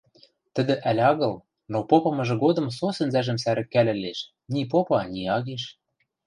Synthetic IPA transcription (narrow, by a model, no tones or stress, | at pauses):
t̪ə̆d̪ɘ̆ʔælʲɑɣɤ̆l | nopopɤ̆mɤ̆ʒɤ̆ɡod̪ɤ̆msosɘ̆nzæʒɘ̆msæɾɘ̆kːælʲɘ̆leʃ | nʲip̬opɑnʲiɑɣeʃ